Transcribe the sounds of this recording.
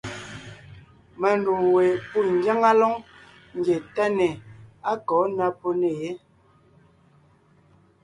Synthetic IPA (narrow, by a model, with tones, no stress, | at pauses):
mɛ˨n˨du˨ŋwe˨pu˦˨n̩˨˦d͡ʒa˦ŋa˦lɔ˦ŋ | ŋ̩˨ɡje˨tɛ˦ne˨a˦kɔː˨˦na˦po˦ne˨je˦